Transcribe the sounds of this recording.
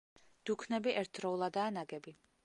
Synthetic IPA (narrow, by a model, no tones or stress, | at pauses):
d̪̥ukʰnɛbiʔɛɾt̪ʰɾɔulˠad̪aːnaɡɛbi